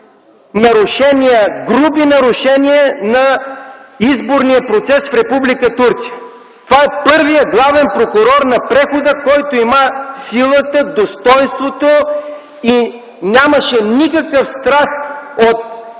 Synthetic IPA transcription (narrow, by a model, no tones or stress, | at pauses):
nɐɾʊʃɛnijəɡɾubinɐɾʊʃɛniənɐ | izboɾnijəpɾot̪sɛsfɾɛpublikət̪uɾt̪sijə̥ | t̪ovaɛpɤɾvijəɡlˠavɛnpɾokʊɾɔɾnɐpɾɛxod̪əkɔjt̪oiməsilˠət̪əd̪ost̪ɔjnst̪vot̪o | i | nʲaməʃɛnikəkəfst̪ɾast̪ot̪̚